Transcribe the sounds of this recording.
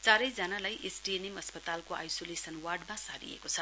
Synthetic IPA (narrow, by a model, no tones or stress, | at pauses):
t͡saɾʌjd͡zʌnalajʔesʈienemʌspʌt̪alkoʔa̰jsolesʌnwarɖmasaɾḭḛkot͡sʰʌ